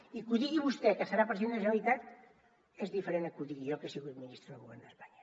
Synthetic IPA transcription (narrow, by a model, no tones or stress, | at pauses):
ikuðiɣiβust̪ɛkəsəɾapɾienesəβit̪at̪ | ezðifəɾenakuðiɣiokesiɣut̪minist̪ɾuðəɣuβɛɾnd̪əspaɲa